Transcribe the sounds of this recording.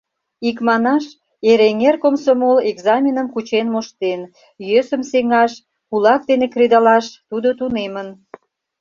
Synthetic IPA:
ikmɑnɑʃ | eɾeŋerkomsomoleɡzɑmʲinəmkut͡ɕenmoʃt̪en | jøsəmseŋɑʃ | kulɑk̚d̪enekrid̪ɑlɑʃt̪ud̪ot̪unemən

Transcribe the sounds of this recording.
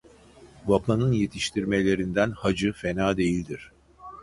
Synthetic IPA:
vapʰanɯnje̞t̪ʰiʃt̪ʰiɾme̞lʲe̞ɾind̪ænhad͡ʒɯfe̞naːd̪e̞jilʲd̪iɾ̥

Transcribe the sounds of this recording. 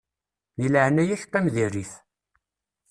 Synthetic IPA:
niləʕnæjæç̥qːæmðiriθ

